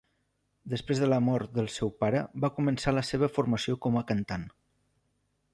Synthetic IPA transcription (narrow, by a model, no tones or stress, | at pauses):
d̪əspɾezðələmɔɾt̪̚d̪əlˠsɛwpaɾəbakumənsaləseβ̞əfuɾməsiokɔməkənt̪an